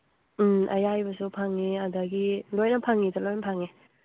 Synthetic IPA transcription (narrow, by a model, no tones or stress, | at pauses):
m̩ʔɐ̰jajbɐsupʰaŋːiadaɡilojnɐpʰaŋːitalojnɐpʰaŋi